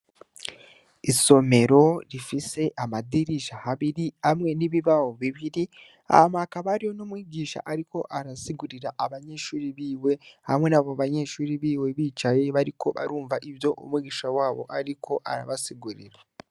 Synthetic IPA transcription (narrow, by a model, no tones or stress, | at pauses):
iso̞me̞ɾo̞ɾifise̞ʔamadiɾiʃahaβiɾihamŋe̞niβiβahoβiβiɾi | a̰βamakaβaɾiho̞nomwiːɟiːʃa̰ʔaɾiko̞ʔaɾasiɡuɾiɾaʔːβaɲeʃuːɾiβiːwe̞hamŋe̞naβoβaɲe̞ʃuːɾiβiːwe̞βiːt͡ʃaje̞βaɾiko̞βa̰ɾuːɱvaʔiβjo̞ʔṵmwiɟiʃawaːβo̞̰ʔaɾikʰo̞ʔaɾaβasiɡuɾḭɾa